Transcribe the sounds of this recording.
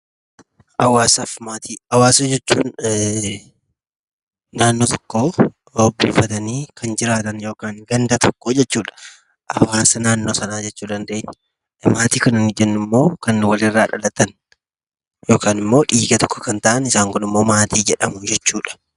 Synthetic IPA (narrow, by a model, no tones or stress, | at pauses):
ʔɐwaːsɐfmaːt̪iːɐwaːsɐd͡ʒɛt͡ʃːṵːn | naːnːoːt̪ɔ̥kːoː | obːuːfɐt̪ɐniːkʰɐnd͡ʒɪɾaːt̪ɐnjo̞ːkaːŋɡɐnd̪ɐt̪ʰɔkːoːd͡ʒɛt͡ʃːuːᶑɐ̥ | ʔɐ̰waːsɐnaːnːo̞ːsɐnaːd͡ʒɛt͡ʃːuːd̪ɐnd̪e̞ːɲːɐ | maːt̪iːkɐnɪnɪd͡ʒɛnːɪmːo̞ːkɐnwɐlrːaːᶑɐ̰lɐt̪ɐn | jo̞ːkaːnɪmːo̞ːᶑiːɡɐt̪ɔ̥kːɔ̥kɐnt̪ɐʔɐnɪsaːŋkʊnɪmːo̞ːmaːt̪iːd͡ʒɛᶑɐmʊd͡ʒɛt͡ʃːuːᶑɐ̥